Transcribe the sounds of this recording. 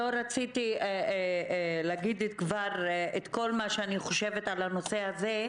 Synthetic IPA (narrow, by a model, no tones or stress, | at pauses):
o̞ɾat͡sit̪ieeleaɡid̪et̪̚kvaʁet̪ko̞lmaʃeaniχo̞ʃe̞vetalano̞se̞haze